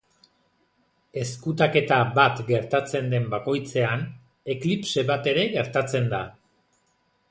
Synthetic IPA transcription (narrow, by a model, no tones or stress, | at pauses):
e̞skut̪̬ake̞t̪aβat̪ɡe̞ɾt̪at͡se̞nd̪e̞mbako̞jt͡se̞an | e̞klipse̞βat̪e̞ɾe̞ɣe̞ɾt̪at͡se̞nd̪a